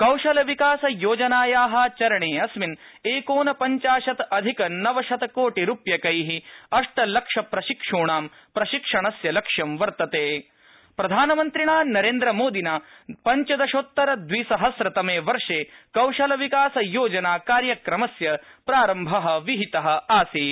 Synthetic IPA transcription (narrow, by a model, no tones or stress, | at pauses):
kɐwʂɐlɐʋikaːsɐjoːd͡ʒɐnaːjaːɦɐ̆t͡ʃɐɾɐɳeːɐsʋin | eːkoːnɐpɐɲt͡ʃaːʃɐt̪ɐd̪ʱikɐnɐʋɐʃɐt̪ɐkoːʈiɾupjɐkɐjɦiɐʂʈɐlɐkʂɐpɾɐʃikʂuːɳaːm | pɾɐʃikʂɐɳ̃ɐsjɐlɐkʂjɐmʋɐɾt̪ɐt̪eː | pɾɐd̪ʱaːnɐmɐnt̪ɾiɳaːnɐɾeːnd̪ɾɐmoːd̪inaː | pɐɲt͡ʃɐd̪ɐʃot̪ːɐɾɐd̪ʋiːsɐɦɐsɾɐt̪ɐmeːʋɐɾʂeːkɐwʂɐlɐʋikaːsɐjoːd͡ʒɐnaːkaːɾjɐkɾɐmɐsjɐpɾaːɾɐmbʱɐɦɐ̆ʋiɦit̪ɐɦɐ̆aːsi